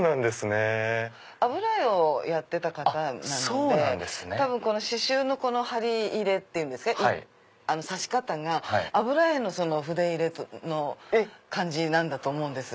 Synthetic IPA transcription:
nãnd̪e̞sɨne | abɯ̟ɾaeo̞jat̪ːe̞t̪akat̪anãnsoːneãnd̪esɨnet̪abɯ̟̃ŋko̞no̞ɕiɕɨːno̞ko̞no̞haɾʲiiːɾe̞t̪ːe̞jɯ̃nd̪esɨ̥kaʔiai | ano̞saɕi̥kat̪aŋahaiːbɯ̟ɾaeno̞so̞no̞ɸɯ̟d̪eiɾe̞tno̞kãɲ̟d͡ʑinãnd̪at̪oːmo̞ɯ̃nd̪e̞sɨ

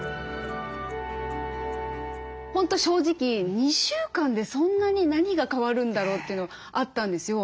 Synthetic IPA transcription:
hõ̞nt̪o̞ɕo̞ːʑikʲiɲ̟iɕɨːkãnd̪e̞sõ̞nːaɲ̟inaɲ̟iɡakaβaɾɯ̟̃nd̪aɾo̞ːt̪ːe̞iɯ̟noa | ʔat̪ːãnd̪e̞sɨjo̞

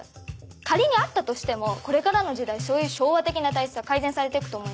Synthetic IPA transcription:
k̪aɾʲiɲ̟iat̪ːat̪o̞ɕi̥t̪e̞mo̞ko̞ɾe̞kaɾano̞ʑid̪aiso̞ːjɯ̟ːɕo̞ːβat̪e̞kʲinat̪aisɨɡakaizẽ̞ɰ̃saɾe̞t̪ekɯ̟̥o̞ːmo̞im

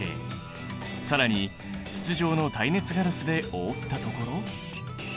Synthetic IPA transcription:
ḛ | saɾaɲ̟i | t͡ɕɨ̥t͡sɨʑo̞ːno̞t̪aine̞t͡sɨɡaɾɯsɨd̪e̞oːt̪ːat̪o̞ko̞ɾo̞

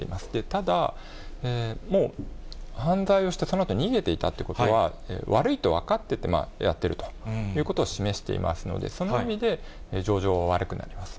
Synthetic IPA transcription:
eimasɨ̥d̪e̞t̪ad̪a | eːmo̞ːhãnd͡zaio̞ɕi̥t̪e̞so̞no̞at̪o̞ɲ̟iɡe̞t̪e̞it̪at̪ːeiɯ̟ko̞t̪o̞βaḛːβaɾɯ̟it̪o̞βakat̪ːe̞t̪e̞ma̰ja̰t̪ːe̞ɾɯ̟t̪ojɯ̟ːko̞t̪oːɕime̞ɕi̥t̪ḛḭmʔa̰sɨno̞̰d̪ḛso̞noimʲid̪e̞ed͡ʑo̞ːʑo̞ːβaβaɾɯ̟kɯ̟na̰ɾʲimasɨ̥

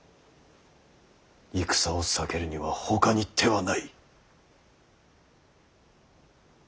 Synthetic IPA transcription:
ikɯ̟̥saosɨ̥ake̞ɾɯ̟ɲ̟iβaho̞kaɲit̪ʰːe̞βanai

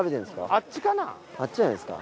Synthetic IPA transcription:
bedensɨ̥ka̰at͡ɕiɡana̰ | at͡ɕ͈iansɨ̥ka̰

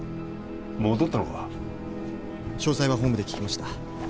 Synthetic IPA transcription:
moːd̪ot̪ːanoka | ɕo̞ːsaiβaɦõ̞mbɯd̪ekʲi̥kʲimaɕi̥t̪a

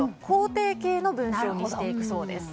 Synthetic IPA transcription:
kʰo̞ːt̪e̞ːke̞ːno̞bɯ̟̃ɰ̃ɕo̞ːɲiɕit̪e̞ikɯ̟so̞ːd̪e̞̰sɨ̥

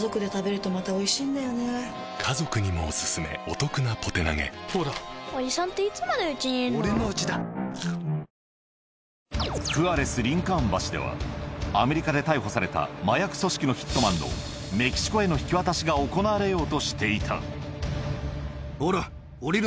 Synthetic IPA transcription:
zo̞kɯ̟d̪e̞t̪abe̞ɾɯ̟t̪o̞mat̪ao̞iɕĩːnd̪ajone | kʰazo̞kɯ̟ɲ̟imo̞̰ːsɨ̥sɨme̞̰ot̪o̞kɯnapʰo̞t̪e̞na̰ɡe̞̰soːd̪aoɲisãnt̪e̞it͡sɨmad̪e̞ɯ̟t͡ɕiɲoɾenoɯ̟t͡ɕid̪a | kɯ̟aɾe̞sɨɾʲĩŋkãmbaɕid̪e̞̰βa̰ame̞ɾʲikad̪e̞t̪aiɦo̞saɾe̞t̪a̰majakɯ̟̥so̞ɕi̥kʲino̞çi̥t̪ːo̞mãnd̪o̞̰ | me̞kʲi̥ɕi̥ko̞e̞no̞çi̥kʲiβat̪aɕiɡaoko̞naːɾe̞jo̞ːt̪o̞ɕi̥t̪e̞it̪ʰa̰ | oɾa | oɾʲiɾ

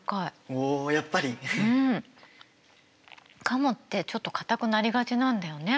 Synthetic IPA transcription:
kaiojapːaɾʲiɯ̟̃ɴ | kʰamot̪ːe̞t͡ɕo̞t̪ːo̞kḁt̪akɯ̟naɾʲiɡat͡ɕinãnd̪ajo̞ne̞

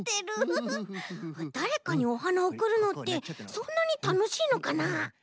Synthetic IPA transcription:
t̪eɾɯ | ad̪aɾe̞kaɲ̟io̞ɦanaokɯ̟ɾɯ̟no̞t̪ːe̞sõ̞nːaɲ̟it̪ano̞ɕiːno̞kana

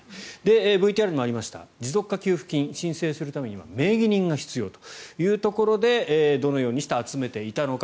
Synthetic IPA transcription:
d̪e̞ːbɯ̟it̪iaɾɯ̟ɲimaɾʲimaɕi̥t̪a̰d͡ʑizo̞kːakʲɨːɸɯ̟̥kʲĩɰ̃ɕĩɰ̃se̞ːsɨɾɯ̟t̪ame̞ɲ̟iβa̰me̞ːɡʲiɲ̟ĩŋɡaçi̥t͡sɨjo̞ːt̪o̥jɯ̟ːt̪o̞ko̞ɾo̞d̪e̞ːd̪o̞no̞jo̞ːɲ̟iɕi̥t̪aat͡sɨme̞t̪e̞it̪anok

